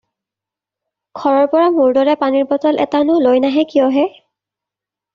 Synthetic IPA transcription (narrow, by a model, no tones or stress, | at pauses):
ɡʰʱɔɹɔɹpɔɹamuɹdɔɹɛpaniɹpɔtɔlʔɛ̰tanʊlojnaɦɛkijɔɦɛ